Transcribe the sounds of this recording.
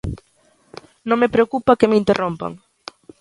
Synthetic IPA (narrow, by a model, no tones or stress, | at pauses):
nõŋmepɾeokupakemeint̪erʔompa̰ŋ